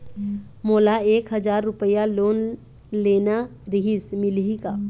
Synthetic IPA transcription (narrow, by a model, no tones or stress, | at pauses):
moːlaeːkɦəd͡ʒaːɾːʊpəjaloːn | leːnaɾiɦismɪlɦika